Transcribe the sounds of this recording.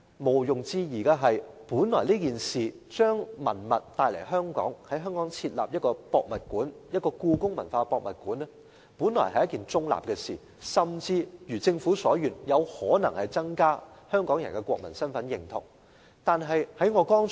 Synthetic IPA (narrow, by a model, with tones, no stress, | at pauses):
mo˨˩wjʊ˨˩ŋt͡siː˧jiː˨˩kaː˧ɦɐ˨jpuː˨˥nlɔː˨˩jliː˥kiː˨nsiː˨˩ | t͡ʃœː˥ŋmɐ̰˨˩nmɐ˨t̚t̪aː˧jlɐ̰˨˩jɦœː˥ŋkɔ̰ː˨˥ŋhɐ˨˥jɦœː˥ŋkɔː˨˥ŋt͡sʰiː˧t̚la̰ː˨p̚jɐ˥t̚kɔː˧pɔː˧k̚mɐ˨˩t̚kuː˨˥njɐ˥t̚kɔː˧kuː˧kʊ˥ŋmɐ̰˨˩nfaː˧pɔː˧k̚mɐ˨t̚kuː˨˥nɛ˥ | puː˨˥nlɔ̰ː˨˩jhɐ˨jɐ˥kiː˨nt͡sʊ˥ŋla̰ː˨p̚kɛ˧sḭː˨˩ | sɐ˨˩mt͡siː˧jyː˨˩t͡sɪ˧ŋfuː˨˥sɔː˨˥jyː˨njɐ˨˧whɔː˨˥nɐ˨˩ŋhɐ˨jt͡sɐ˥ŋkaː˥hœː˥ŋkɔː˨˥ŋjɐ˨˩nkɛ˧kwɔː˧k̚mɐ̰˨˩nsɐ˥nfɐ˨˥njɪ˨ŋt̪ʰʊ̰˨˩ŋ | t̪aː˨nɦɐ˨jhɐ˨˥jŋɔː˨˧kɔː˥ŋ